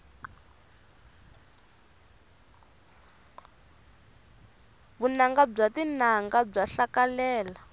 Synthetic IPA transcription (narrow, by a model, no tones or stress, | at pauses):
βunaŋɡab͡ʐatinaŋɡab͡ʐaɬakalɛːla